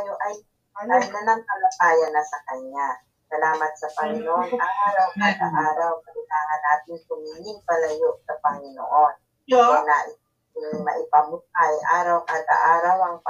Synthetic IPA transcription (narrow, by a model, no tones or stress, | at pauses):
joʔɐj | ɐlɐjlɐnɐŋpɐlɐt̪aːjɐnɐsɐkɐɲa | sɐlaːmɐt̪̚sɐpɐŋɪnoʔonʔɐŋʔaːɾɐwkaːd̪ɐ̰ʔaːɾawkɐlɪlaːŋɐnːaːt̪ɪnp̪ʊmiːlɪŋpɐlɐjoʔsɐpɐŋɪno̰ʔon | aɛnaʔ | mɐ̰ʔɪpɐmʊt̪̚ɐjʔa̰ːɾɐwkaːd̪ɐ̰ʔaːɾɐwɐŋ